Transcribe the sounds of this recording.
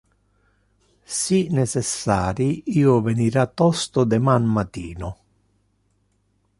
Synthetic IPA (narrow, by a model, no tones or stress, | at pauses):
sinɛsɛsːaːɾiiːoveniɾat̪ːɔst̪ʊd̪ɛmanmat̪iːnʊ